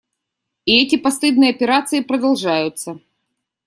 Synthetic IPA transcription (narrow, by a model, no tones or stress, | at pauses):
ɪɛtʲɪpɐst̪ɨd̪nɨjɐpʲɪɾat̪sɨɪpɾəd̪ɐlˠʐajʊt̪sə